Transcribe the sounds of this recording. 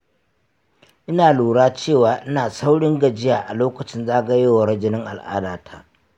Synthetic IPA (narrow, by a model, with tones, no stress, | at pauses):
ʔɪ˦naː˨luː˨ɽaː˦t͡ʃeː˦˨waː˨ʔɪ˦naː˨sa˦wɽɪ˦ŋɡɐ˨d͡ʒɪ˦jaː˨ʔa˨loː˦kɐ˨t͡ʃɪ˦nzaː˦ɡɐ˦jeː˦wa˨ɽɐ˦d͡ʒɪ˦nɪ˦ŋʔa̰˨lʔa̰ː˦daː˨tʰaː˦